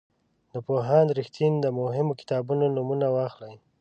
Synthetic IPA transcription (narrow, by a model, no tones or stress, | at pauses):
d̪əpoɦɑnɾɪxt̪ʰind̪əmʊɦɪmokɪ̥t̪ɑbunonumunawɑxlaj